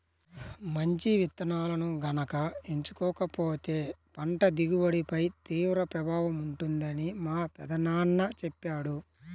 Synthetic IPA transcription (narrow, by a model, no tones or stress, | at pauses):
mɐɲt͡ʃiʋit̪ːɐnaːlɐnuɡɐnɐkɐeɲt͡ʃukɔːkɐpoːt̪e̞ːpɐɳʈɐd̪iɡuʋɐɽipɐjt̪iːʋɾɐpɾɐbʱaːʋɐmuɳʈund̪ɐnimaːpɛd̪ɐnaːɳːɐt͡ʃɛpːaːɽu